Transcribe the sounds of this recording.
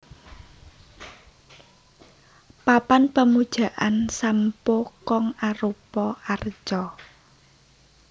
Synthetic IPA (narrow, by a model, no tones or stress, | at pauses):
papanpəmud̥ʒ̥a̤ʔansampokɔŋaɾupɔʔart͡ʃɔ